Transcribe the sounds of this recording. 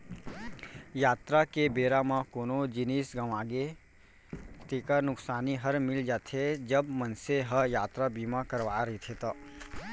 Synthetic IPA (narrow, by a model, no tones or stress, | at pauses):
jaːt̪ɾakebeːɾamãkoːnod͡ʒiniːsɡəmaːɡe | t̪eːkənʊksaːniɦəɾmɪld͡ʒaːt̪ʰed͡ʒəbmənseɦəjaːt̪ɾabiːmakəɾʋaɾəɦit̪ʰet̪ə